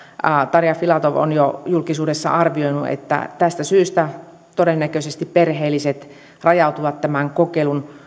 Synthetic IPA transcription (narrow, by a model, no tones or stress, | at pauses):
ɑt̪ɑrjɑfilɑt̪oʋo̰njojulkisuːdesːɑ̰ʔɑrʋioinuḛt̪ːæ̰t̪æst̪æsyːst̪æ | t̪odenːækøsest̪ipperɦeːlːiset̪ | rɑjɑut̪uʋɑt̪t̪æmæŋkokelun